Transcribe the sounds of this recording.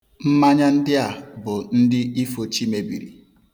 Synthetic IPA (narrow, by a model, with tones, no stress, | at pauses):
m̩˦ma˦ɲa˦n̩˦dɪ˦a˨bʊ˨n̩˦dɪ˦i˦fo˨t͡ʃi˦me˨bḭ˨ɾḭ˨